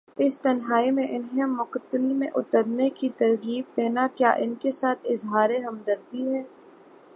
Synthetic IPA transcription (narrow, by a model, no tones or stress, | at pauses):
ɪst̪ɐnɦaːimẽʔɪnɦɛ̃mːʊqt̪əlmẽʔʊt̪əɾnekit̪ɐɾɣiːb̚d̪eːnakja̰ːʔɪnkesaːt̪ʰɪzɦaːɾeɦɐmd̪əɾd̪iɦɛː